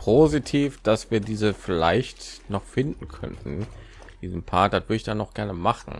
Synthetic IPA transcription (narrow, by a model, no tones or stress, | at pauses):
pʰozitʰiːfd̥asv̥iːɐdiːzəfɪla̰ɪçtnɔχfɪndn̩kʰœ̰ntn̩ | d̥iːzm̩pʰaːɐd̥atv̥ʏɐdəɪçd̥anɔχɡ̥ɛɐnəmaχn̩